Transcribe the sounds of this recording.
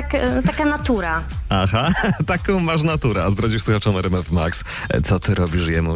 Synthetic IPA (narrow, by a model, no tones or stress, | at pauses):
akt̪akanat̪uɾaaxat̪akɔ̃w̃maʂ̬nat̪uɾɛazd̪ɾɔd͡ʑiwsuxat͡ʂɔnɛɾɛmɛvmaks | t̪sɔt̪ɘɾɔbʲiʂjɛmu